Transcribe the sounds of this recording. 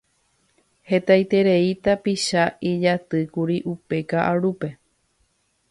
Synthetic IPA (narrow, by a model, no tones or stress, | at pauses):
he̞t̪ajt̪e̞ɾeit̪apiʃaid͡ʒat̪ɨkuɾiʔupe̞kaʔaɾupe̞